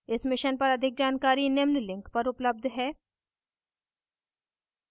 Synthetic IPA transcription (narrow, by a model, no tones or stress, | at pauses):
ɪsmɪʃənpɐɾɐd̪ʱɪk̚d͡ʒaːnkaːɾinɪmnlɪ̃ŋkpɐɾʊpləb̚d̪ʱɦɛː